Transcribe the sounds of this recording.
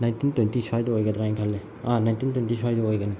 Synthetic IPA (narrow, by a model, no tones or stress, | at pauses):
najntʰintwentisʰajdɐojɡɐdɾaiŋkʰalːe | anajntintwentisʰajdɐojɡɐni